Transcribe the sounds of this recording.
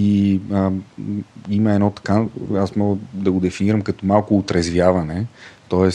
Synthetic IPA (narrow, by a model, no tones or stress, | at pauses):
iə | iməɛd̪nɔt̪ɐ̥kaasmɔɡəd̪ɐɡod̪ɛfiniɾɐmkɐt̪ɔmalˠkʊːt̪ɾɛzvjavɐnɛt̪ɔɛs